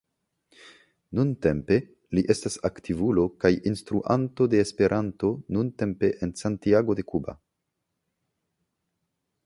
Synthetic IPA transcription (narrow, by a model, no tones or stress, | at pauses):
nunte̞mpe̞ | liʔe̞stasaktivulo̞kajʔinstɾuʔanto̞de̞ːspe̞ɾʔanto̞nunte̞mpe̞ʔensantiaɡo̞de̞kuba̰